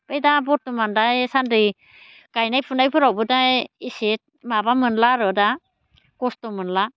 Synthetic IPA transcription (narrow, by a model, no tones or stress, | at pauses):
pajdabɔtːumandajsandɯj | kajnajpʰundajpʰɯɾawbɯdajiset̚mabamɯnlaɾɯda | kɔstɔmɯnla